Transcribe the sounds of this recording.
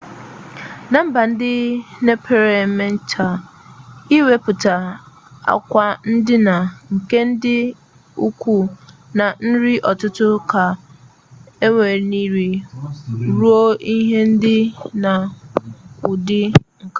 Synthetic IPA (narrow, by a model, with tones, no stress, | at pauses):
nã˦m̩˦ba˨n̩˦dɪ˦ne˦pʰe˨ɾe˨mɛ̃˦n˦tʰa˨ | i˦we˦pʊ˨ta˨ | a̰˨kʷa˦n̩˦dɪ˦na˨ŋ̩˨ke˦n̩˦dɪ˦ | u˦kʰʷu˦nã˨n̩˦ɾi˦ʔɔ˨tʊ˦tʊ˦kʰa˨ | e˦ŋe˨ɾnĩ˦ɾi˨ | ɾu˦o˦i˦ɦe˦n̩˦dɪ˦na˨ | ʊ˨dɪ˦ŋ̩˨ka˨